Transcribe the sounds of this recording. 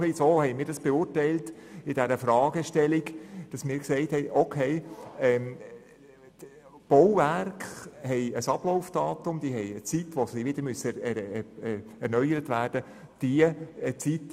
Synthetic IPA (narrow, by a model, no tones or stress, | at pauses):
isoːhɛɪmiːɾdɑsb̥ɛʊːrtɛɪltɪd̥ɛɾəfɾɑːɡəʃtɛliɡd̥ɑsmɪːɾkseɪthɛɪʔokʰeɪɛm | b̥ɔwværkχhɛɪəsɑb̥lɔʊfd̥ɑːtʊmd̥iːɦɛɪət͡sitʋosiʋɪd̥̪əɾmysə | ɛɾnœʏəɾətʋæːrd̥ə | d̥iəət͡sit